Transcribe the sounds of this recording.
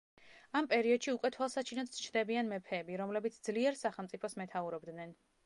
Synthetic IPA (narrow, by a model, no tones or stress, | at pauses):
ampʼɛɾiɔd̪̥ʃiukʼwɛt̪ʰwalˠsat͡ʃʰinɔt̪st͡ʃʰd̪ɛbianmɛpʰɛːbiɾɔmlɛbit̪sʰd̪zliɛɾsaχɛlˠmt̪sʼipʰɔsmɛt̪ʰauɾɔbd̪nɛn